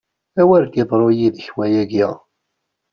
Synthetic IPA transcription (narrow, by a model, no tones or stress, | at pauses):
æwæɾɡɪðˤɾˤojiðəçwæjæɡæ